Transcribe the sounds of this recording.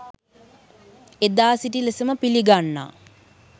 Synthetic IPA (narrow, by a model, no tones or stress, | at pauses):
ed̪aːsiʈilesəməpiliɡanːa̰